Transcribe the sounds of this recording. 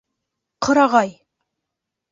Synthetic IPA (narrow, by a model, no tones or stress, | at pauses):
qʰɤ̆ɾɑʁɑj